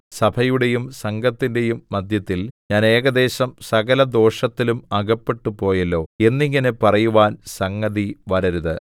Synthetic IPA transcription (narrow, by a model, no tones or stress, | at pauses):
sɐbʰʱɐjuɽe̞jumsɐŋɡɐt̪ːinde̞jumːɐd̪ʱjɐt̪ːilɲaːne̞ːɡɐd̪e̞ːɕɐmsɐɣɐlɐd̪o̞ːʂɐt̪ːilumɐɡɐpːe̞ʈːupo̞ːjɐlːo̞ːe̞nːiŋːɐnepɐrɐjuʋaːnsɐŋːɐðiʋɐɾɐɾuðɨ